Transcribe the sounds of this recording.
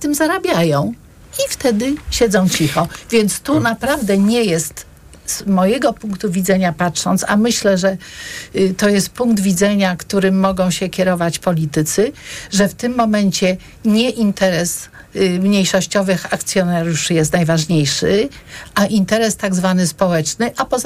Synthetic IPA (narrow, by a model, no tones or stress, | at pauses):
t̪ɘmzaɾabʲjajɔ̃w̃ | ift̪ɛd̪ɘɕɛd̪zɔ̃w̃t͡ɕixɔvʲjɛnt̪st̪unapɾavd̪ɛɲɛjɛst̪ | z̥mɔjɛɡɔpuŋkt̪uvʲid̪zɛɲapatʂɔ̰nt̪sa̰mɘɕlɛʐɛ | t̪ɔjɛst̪̚puŋɡd̪vʲid̪zɛɲakt̪uɾɘmːɔɡɔ̃w̃ɕɛkʲɛɾɔvat͡ɕpɔlʲit̪ɘt̪sɘʐɛft̪ɘmːɔmɛɲt͡ɕɛ | ɲɛʔint̪ɛɾɛs | mɲejʂɔɕt͡ɕɔvɘxak̚t̪sʲjɔnaɾjuʂjɛst̪najvaʐɲejʂɘʔaʔint̪ɛɾɛst̪aɡzvanɘspɔwɛt͡ʂnɘʔapɔ